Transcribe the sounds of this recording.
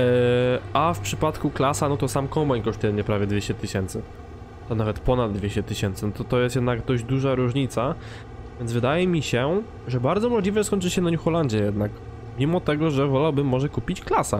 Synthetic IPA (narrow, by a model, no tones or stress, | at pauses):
ʔafpʂɘpat̪kuklasanɔt̪ɔsamkɔmaɲkɔʂt̪ujɛmɲɛpɾavʲjɛd̪vʲeɕt͡ɕɛt̪ɘɕɛnt̪sɘ | t̪ɔnavɛt̪pɔnad̪d̪vʲeɕt͡ɕɛt̪ɘɕɛnt̪sɘnɔt̪ɔt̪ɔjɛst̪jɛd̪naɡd̪ɔʑd͡ʑd̪uʐaɾuʐɲit̪sa | vʲjɛnvɘd̪ajɛmʲiɕɛ | ʐɛbaɾd̪zɔmɔʐlʲivɛɛskɔɲʲt͡ʂɘɕɛnaɲuxɔlaɲd͡ʑɛjɛd̪nak | mʲimɔt̪ɛɡɔʐɛvɔlawbɘmːɔʐɛkupʲit͡ɕklasa